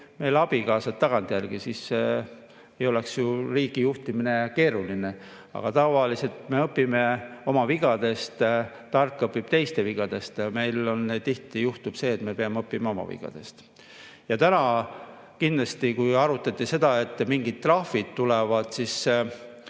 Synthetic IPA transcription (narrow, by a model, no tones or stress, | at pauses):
me̞jlɑb̥ikɑːsɑt̪t̪ːɑɡ̥ɑnt̪jærɡ̥isis | ejo̞le̞ksjuriːɡ̥ijuht̪imine̞ke̞ːɾuline̞ | ɑ̰ɡ̥ɑt̪ɑvɑlise̞lt̪me̞ɤpːˑime̞o̞mɑviɡɑd̪̥e̞st̪ | t̪ːɑrkˑːɤpːib̥t̪e̞jst̪e̞viɡ̥ɑd̪e̞st̪me̞jlo̞nːet̪iht̪ijuht̪ub̥se̞ːt̪me̞pe̞ɑmeɤpːimeo̞mɑ̰vḭɡ̥ɑ̰d̪̥e̞̰st̪ | jɑt̪ænɑ | kind̪lɑst̪ikujɑɾut̪ːˑɑt̪ːˑise̞d̪ɑe̞t̪ːˑmiŋɡid̪̥̚t̪ːrɑhfid̪̥t̪ːulevɑd̪̥sis